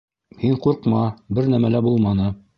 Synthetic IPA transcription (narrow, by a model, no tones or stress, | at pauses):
hiɴquɾqmɑbɘɾnæmælæbulˠmɑnɤ